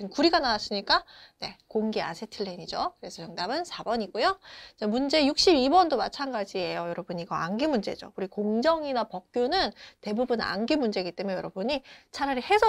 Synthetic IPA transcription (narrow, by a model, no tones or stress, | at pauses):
kuɾiɡanawas͈ʰɯɲik͈ane̞koŋɡia̰sʰetʰɯɭːeɲid͡ʑokɯɾe̞sʰʌjʌŋdabɯnsʰabʌɲiɡojot͡ɕamund͡ʑe̞juk̚ɕ͈ibibʌndomat͡ɕʰanɡad͡ʑiejojʌɾʌbuɲiɡʌa̰nɡimund͡ʑe̞̰d͡ʑo̰uɾikoŋd͡ʑʌŋinapʌk̚k͈jonɯnte̞bubuna̰nɡimund͡ʑe̞ɡit͈e̞mjejʌɾʌbuɲit͡ɕʰaɾaɾihe̞sʰʌ